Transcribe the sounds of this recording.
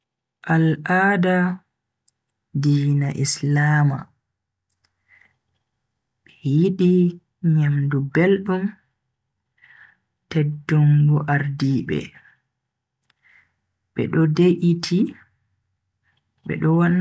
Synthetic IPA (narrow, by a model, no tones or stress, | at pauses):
ʔalʔaːda | diːnaʔislaːma̰ | ɓ̥ɛjiɗi | ɲamdubelɗum | tɛdːuŋɡuʔaɾdiːɓɛ̰ | ɓɛ̰ɗɔdeʔitʰi | ɓɛ̰ɗɔwan